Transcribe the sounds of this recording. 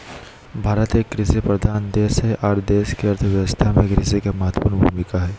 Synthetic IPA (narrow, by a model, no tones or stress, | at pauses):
bʱaːɾət̪eːkɾɪsepɾəd̪ʱaːnd̪eːsɦɛʔaːɾd̪eːskeɐɾt̪ʰʋjəʋəst̪ʰamẽkɾɪsekamɐɦət̪wə̥puːɾnbʱṵːmɪkaɦɛː